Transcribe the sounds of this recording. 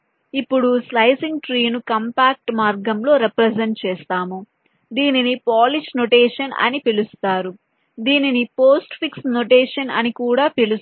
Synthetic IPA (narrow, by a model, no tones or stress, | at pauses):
ipːuɽuslɐjsiŋɡʈɾiːnukɐmpaːk̚ʈmaːɾɡɐmlo̞ːɾepɾɐsɐɳʈ̚t͡ʃeːst̪aːmu | d̪iːninipaːliʃnoʈeːʂɐnɐ̰nipilust̪aːɾu | d̪iːninipo̞ːsʈpʰiksnoʈeːʂɐnɐ̰nikuːɽaːpilu